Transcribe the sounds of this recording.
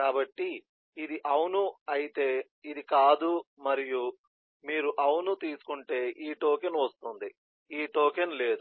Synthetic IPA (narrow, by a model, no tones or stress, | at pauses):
kaːbɐʈːiː | d̪iʔɐwnuɐjit̪e̞ː | id̪ikaːd̪umɐɾiju | miːɾuʔɐwnut̪iːsu̥kuɳʈe̞ːʔiːʈoːkenʋɐst̪und̪i | iːʈoːkenle̞ːd̪u